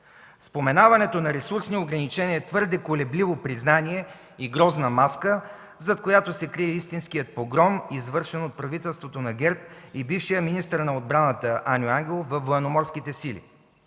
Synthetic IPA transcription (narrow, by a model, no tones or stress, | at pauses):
spomɛnavɐnɛt̪onɐɾɛsuɾsnioɡɾɐnit͡ʃɛniɛt̪vɤɾd̪ɛkolɛblivopɾiznaniɛ | iɡɾɔznɐmaskə | zɐt̪kojat̪osɛkɾiɛist̪insk̟ijət̪̚poɡɾɔmizvɤɾʃɛnot̪̚pɾɐvit̪ɛlˠst̪vot̪onɐɡɛɾp̚ibifʃijəminist̪əɾnɐod̪̚bɾanət̪əʔanʲoaŋɡʲɛlˠofvɐfvoɛnomɔɾskit̪ɛsilḭ